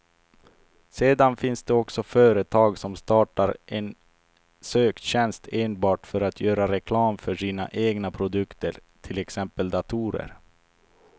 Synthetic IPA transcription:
seːd̪anfɪnsd̪ɛɔksɔfœːɾət̪ʰɑːɡsɔmst̪ɑːʈaɾʔɛn | søːk̪ɕɛnst̪eːnbɑːʈfœɾat̪ʰjœːɾaɾɛkʰlɑːmfœʂiːna̰ʔeːɡnapʰɾʊd̪ɵkt̪əɾt̪ʰɪlɛksɛmpəld̪at̪ʰuːɾə̰ɾ

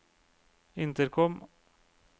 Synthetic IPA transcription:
ɪnt̪əɾkʰɔm

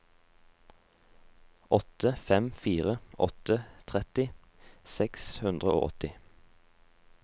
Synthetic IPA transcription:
ʔɔt̪əfɛmfiːʁəʔɔ̰t̪ət̪ʰʁɛt̪ɪ | sɛkshʉnd̪ʁəo̰ːʔɔ̰t̪ɪ

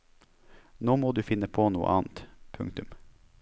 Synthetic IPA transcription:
noːmoːd̪ʉːfɪnəpʰoːnuːə̰ʔɑ̰ːnt̪pʰʉŋkt̪ʉm

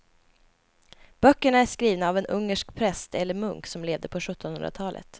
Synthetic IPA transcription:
b̥œkːəɳaæʂkɾiːvnaːvɛnɵŋːəʂkpʰɾɛst̪ʰɛlːəɾmɵŋksɔmleːvd̪əɾpʰɔɧɵt̪ːɔnɵnd̪ɾat̪ʰɑːlʔə̰t̪

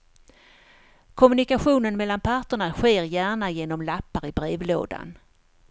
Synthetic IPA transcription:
kʰɔmɵnɪkaɧuːnənmɛlːanpʰaʈəɳaɧeːɾjæːɳajeːnɔmlapːaɾɪbɾeːvlo̰ːd̪a̰n

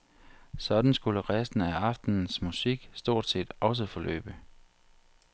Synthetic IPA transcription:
sɒ̽d̥n̩sɡ̥uləʁɛsd̥n̩æɑ̈fd̥n̩n̩smusiɡ̥sd̥o̝ɐ̰d̥se̝̰ːd̥ɒ̽s̬əfɒ̽lø̰ːb̥ə

